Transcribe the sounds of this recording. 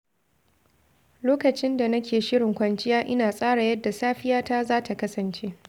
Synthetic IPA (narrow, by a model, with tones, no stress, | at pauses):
loː˦kɐ˨t͡ʃɪ˦nda˨nɐ˦kʲeː˨ʃɪ˦ɽɪ˨ŋkʷɐ˨nt͡ʃɪ˦jaː˦ʔɪ˦naː˨sʼaː˦ɽa˨jɐ˦dːa˨saː˦ɸɪ˦jaː˦taː˦zaː˦tʰa˨kɐ˦sɐ˨nt͡ʃeː˦